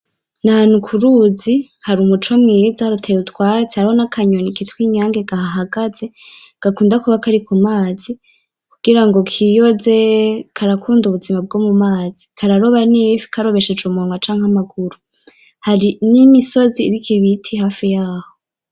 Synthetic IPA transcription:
naanukʰuɾuzi | haɾumut͡ʃo̞mŋiːzahɾutʰejutwaːt͡sehaɾihonakʰaɲonikitwiːɲaːŋɡe̞ɡ̥ahaɦaɡaze̞ | ɡ̥akuːndakuβakaɾikʰumaːzi | kuɡiɾaŋɡo̞kʰijoze̞kʰaɾakʰuːnduβuzimab̚ɡomumaːz̥ikʰaɾaɾo̞βanifi̥kʰaɾo̞βe̞ʃed͡ʒumuŋwat͡ʃaːŋhamaɡuɾu | haɾinimiso̞ziːɾikʰiβitʰiɦaːfijaːho

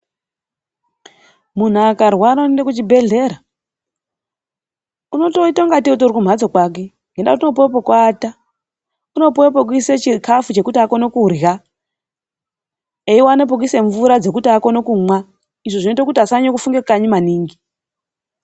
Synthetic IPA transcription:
mun̤uakarwaːnondekut͡ʃibʱe̞ɮe̞ːɾa | uno̞to̞itaŋɡatiutuɾikum̤ad͡zo̞kwak̬e̞ | ŋɡendatuno̞p̬owep̬okwaːta | uno̞powep̬ok̬iset͡ʃikafut͡ʃe̞kutiakonokurja | eiwanep̬ok̬ise̞ɱvuɾad͡ze̞k̬utiako̞nokumwa | iʐoʐino̞itokutiasaɲokufuŋɡekaɲimaniːŋɡi

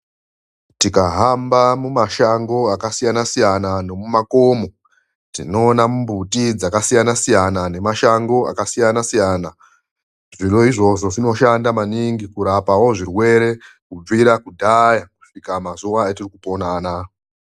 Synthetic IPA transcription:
tikaɦambamumaʃaŋɡo̞akasijanasijanano̞mumako̞ːmo̞ | tḭno̞ːnamumbutid͡zakasijanasijanane̞maʃaŋɡo̞a̰kasijanasijaːna | ʐiro̞iʐo̞ʐo̞ʐino̞ʃandamaniŋɡikuɾapawo̞ʐirwe̞ɾe̞ | kub͡viɾakudʱajaku̥ʂikamazuwaetirikupo̞naːna

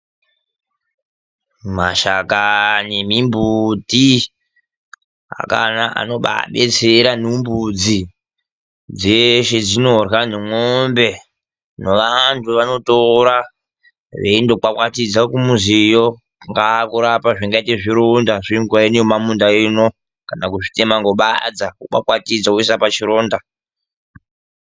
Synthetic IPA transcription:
ma̰ʃakanemimbuti | a̰ka̰naʔa̰no̞ɓa̰ɓe̞t͡seɾanumbud͡zi | d͡zeʃed͡zinorwanemombe̞ | noʋantʰuʋano̞toɾa | ʋeindo̞k͡pakwatid͡zakumuzijo | ŋɡakuɾapaʐiŋɡaiteʐiɾondaʐiŋɡwainjomamundaino̞ | kanakuʐite̞maŋɡo̞ɓad͡zakuɓa̰kwatid͡zakuisapat͡ʃiɾoːnda

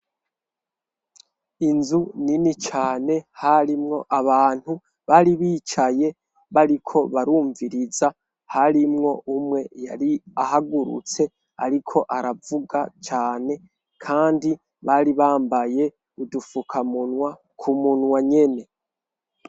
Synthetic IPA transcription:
inzuninit͡ʃaːne̞haɾimŋo̞ʔaβaːn̥hu | βaɾiβiːt͡ʃaje̞ | βaɾikʰo̞βaɾuːɱviɾiza | haɾimŋo̞ʔumŋe̞ja̰ɾiahaɡuɾṵt͡se̞ | a̰ɾikʰo̞ʔaɾavuɡat͡ʃaːne̞ | kʰaːndi | βaɾiβaːmbaje̞ | udufukʰamunwa | kʰumunwaɲe̞ne̞

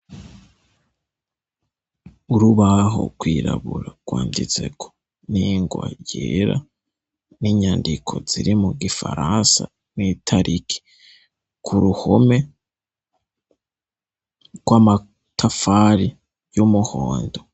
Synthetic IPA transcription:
uɾuβaɦo̞̰kwiːɾa̰βuɾaɡ̥waːndit͡se̞kʰo̥ | niːŋɡwa̰jeɾa̰ | niɲaːndikʰo̞z̥iɾimuɡifa̰ɾansa | niːtʰaɾʔikʰi̥ | kʰuɾuhome̞ | ɡ̥wama | tʰafaɾi | jumuhoːndo̞

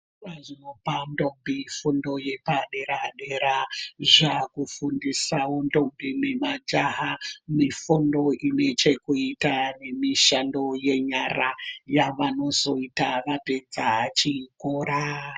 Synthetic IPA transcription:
ʋazinopandombifundo̞je̞paɗe̞ɾaɗe̞ɾaʒakufundisawondo̞mbimemad͡ʒaɦamifundo̞ine̞t͡ʃe̞kuitane̞miʃando̞je̞ɲarajaʋano̞zo̞itaʋaped͡zaɦat͡ʃikoɾa

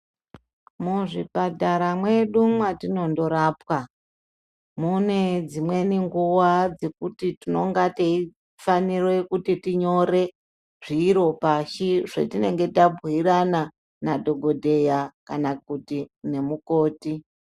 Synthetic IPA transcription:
muʐibʱadʱaɾamwe̞ɗumwatino̞ndo̞ɾaːpwa | muned͡zimwe̞niŋɡuwad͡ze̞kutitino̞ŋɡatei | fanirwe̞kutitiɲo̞ɾe̞ | ʐ̥iːɾo̞paʃiʐḛtine̞ŋɡe̞tabʱirana | nadʱo̞ɡʱo̞dʱe̞jakanak̚utine̞muko̞ːti

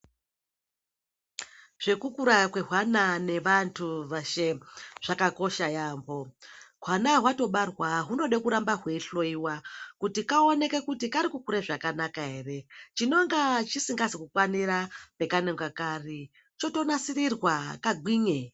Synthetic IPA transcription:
ʐ̥e̞kukuɾakwe̞ɦwanane̞ʋantʰuʋaʃeʐ̥akako̞ʃajaːmbo̞ɦwanaɦwato̞ɓarwaɦuno̞ɗekuɾambaɦwe̞iɬo̞iwakutikaone̞ke̞kutikaɾikukuɾeʐakanakaɦe̞ːre̞t͡ʃino̞ŋɡat͡ʃisiŋɡazikukwaniɾape̞kaneŋɡwakaːri | t͡ʃo̞to̞nasirirwakaɡʱwiːɲe

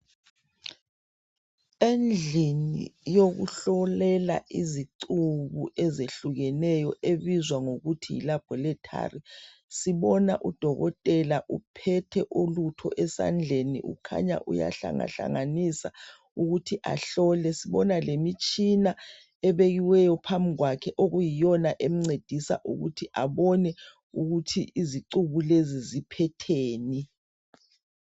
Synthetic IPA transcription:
end͡ɮʱinḭjoɣṵɬɔlɛla̰ʔiziǀuβuɛzeɬuɣɛnɛjɔʔeβizwaŋoɣutʰijḭlab̥ʱɔlɛtʰa̰ri | siβɔnaʔud̥ʱɔɣɔtʼɛlaʔupʰɛtʰɛʔolutʰɔ̰ʔɛsa̰nd͡ɮʱenḭʔṵkʰa̰ɲa̰ʔuja̰ɬa̰ŋa̰ɬa̰ŋanisa | uɣutʰiʔaɬɔlɛsiβɔnalemit͡ʃʼina | ɛβeɣiwɛjɔpʰamiɣwakʰɛʔoɣujijɔnaʔem̩ŋ͡ǀed̥ʱisa̰ʔṵɣṵtʰiʔaβɔnɛ | uɣutʰiʔiziǀuβulezizipʰɛtʰeːni

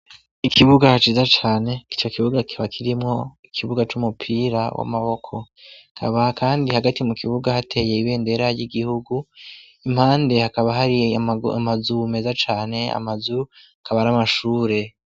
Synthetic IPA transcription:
ikʰiβuɡahat͡ʃiːzat͡ʃaːne̞ki̥t͡ʃokiβuɡakʰiβakʰiɾimŋo̞ikʰiβuɡat͡ʃumupʰiːɾawa̰maβo̞kʰo̞ | akʰa̰βakaːndihaɡatimukʰiβuɡahatʰe̞ːje̞iβe̞ːnde̞ɾajiɡihuɡu | im̥haːnde̞hakaβaɦaɾimazume̞zat͡ʃaːne̞a̰mazuakaβaɾamaʃuːɾe̞

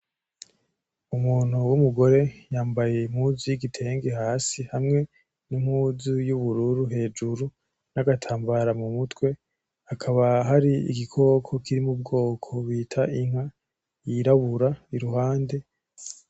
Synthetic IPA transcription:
umuːn̥huwumuɡo̞ɾe̞jaːmbaje̞m̥huziiɡitʰe̞ːŋɡehaːsihamŋe̞ | numhuːzujuβuɾuɾuɦe̞ːd͡ʒuɾu | naɡatʰaːmbaɾamumutwe̞ | akʰaβaɦaɾiḭɡikʰo̞kʰo̞kʰiɾimub̚ɡo̞ːkʰo̞βiːtʰaʔiŋ̥a | iɾaβuɾaiɾuɦaːnde̞

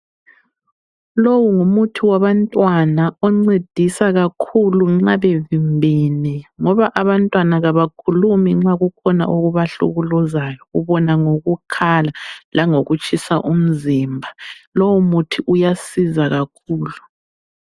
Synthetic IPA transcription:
lowuŋumutʰiwaβantʼwanaɔŋ͡ǀid̥ʱisaɣakʰuluŋ͡ǁaβevimbʱɛnɛŋɔβaʔaβantʼwanaɣaβakʰulumiŋ͡ǁaɣukʰɔna̰ʔuɣuβaɬṵɣulɔzajɔɣṵβɔnaŋoɣukʰalalaŋoɣut͡ʃʼʰisaʔum̩ziːmbʱalowumutʰiʔujasizaɣakʰuːlu

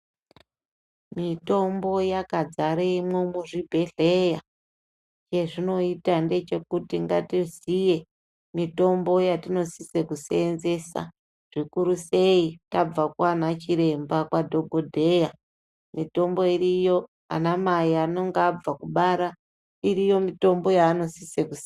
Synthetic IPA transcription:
mito̞mbo̞jakad͡zaɾeimwomuʐibʱe̞ɮe̞ja | t͡ʃe̞ʐino̞itande̞t͡ʃe̞kutiŋɡatizije̞ | mito̞mbo̞jatino̞sisekusenze̞sa̰ | ʐ̥ikuɾuse̞itab͡vakwanat͡ʃiɾe̞mbakwadʱo̞ɡʱo̞dʱe̞ja | mito̞mbo̞irijo̞ | a̰namaiano̞ŋɡab͡vakuɓaɾa | irijo̞mito̞mbo̞jaːno̞sisekuse

